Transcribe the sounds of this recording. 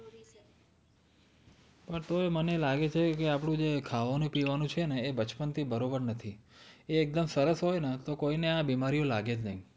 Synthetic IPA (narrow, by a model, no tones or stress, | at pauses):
pəɳt̪oemənelaɡet͡ʃʰekeapɳũd͡ʒekʰaʋanũpiʋanũt͡ʃʰeneːbət͡ʃpənt̪ʰibəɾobəɾnət̪ʰieːk̚d̪əmsəɾəsɦojnat̪okoineabimaɾijolaɡed͡ʒnə̰ɦĩ